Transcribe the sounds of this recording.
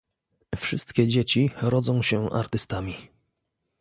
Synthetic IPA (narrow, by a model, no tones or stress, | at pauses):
fʂɘst̪kʲɛd͡ʑet͡ɕiɾɔd̪zɔ̃w̃ɕɛʔa̰ɾt̪ɘst̪amʲi